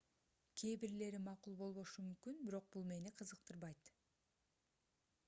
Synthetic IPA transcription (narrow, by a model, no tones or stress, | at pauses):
kʲʰeːbiɾle̞ɾimɑqulˠbo̞lˠβo̞ʃumymkynbiɾo̞q̚bulˠme̞niqʰɯzɯq̚t̪ɯɾβɑjt̪